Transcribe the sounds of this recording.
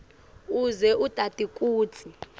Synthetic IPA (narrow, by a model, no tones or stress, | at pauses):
uzɛʔutʼadʼʱikʼuːt͡sʰi